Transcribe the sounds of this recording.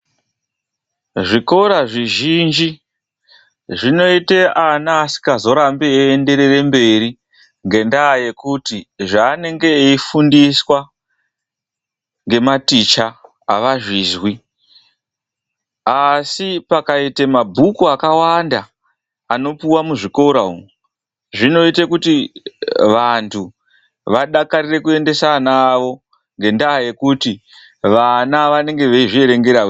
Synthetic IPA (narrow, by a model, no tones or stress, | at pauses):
ʐiko̞ɾaʐiʒind͡ʒi | ʐino̞ite̞anaːsi̥kazo̞ɾambeeːnde̞ɾe̞re̞mbe̞ɾi | ŋɡe̞ndaːje̞kutiʐaːne̞ŋɡe̞eifundiswa | ŋɡe̞matit͡ʃaː | ʋaʐiːzwi | asipakaitemabʱukuakawanda | ano̞puwamuʐiko̞ɾau | ʐino̞itekuti | ʋantʰu | ʋaɗakaɾire̞kue̞nde̞sanaʋo̞ | ŋɡe̞ndaɦaje̞kuti | ʋanaʋane̞ŋɡe̞ʋeiʐie̞ɾe̞ŋɡe̞ɾa